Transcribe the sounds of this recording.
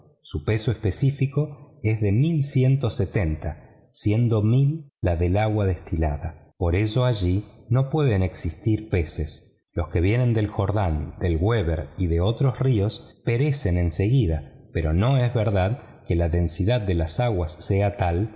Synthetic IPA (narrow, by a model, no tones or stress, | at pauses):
supe̞so̞espe̞sifiko̞e̞zðe̞milsje̞nt̪o̞set̪e̞nt̪a | sje̞nd̪o̞milːaðe̞laɣwaðe̞st̪ila̰ðapo̞ɾe̞so̞aʒino̞pwe̞ðeneksist̪iɾpe̞ses | lo̞ske̞βje̞nẽ̞nd̪e̞lxo̞ɾðand̪elɣweβeɾiðeo̞t̪ɾo̞srio̞s | peɾe̞se̞nẽ̞nseɣiðapeɾo̞no̞ezβeɾðað | kelaðe̞nsiðad̪̚d̪elasaɣwasːeat̪al